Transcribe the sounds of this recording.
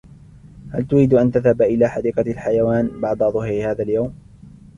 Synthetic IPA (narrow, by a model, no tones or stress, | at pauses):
halt̪ʊɾiːd̪ʔant̪aðhabʔɪlaːħad̪iːqɑlħajawaːnbɑʕd̪ˤɑðˤʊhɾhaːðaljawm